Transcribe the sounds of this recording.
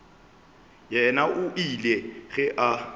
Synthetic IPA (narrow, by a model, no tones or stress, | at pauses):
jɛnaʔʊʔilɛɣɛʔa